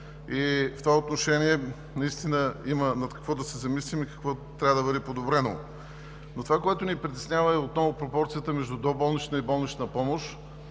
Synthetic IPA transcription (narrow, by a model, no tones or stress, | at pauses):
ift̪ovaot̪noʃɛniɛ | nɐist̪inəimənɐt̪kɐ̥kvɔd̪ɐsɛzɐmislimikɐ̥kvɔt̪ːɾʲavəd̪ɐbəd̪ipod̪obɾɛno̰ | not̪ovakoɛt̪ʊnipɾit̪ɛ̥snʲavəɛot̪nɔvʊpɾopɔɾt̪sijət̪əmɛʒd̪ud̪ɔbɔlˠnit͡ʃnəibɔlˠnit͡ʃnəpɔmoʃ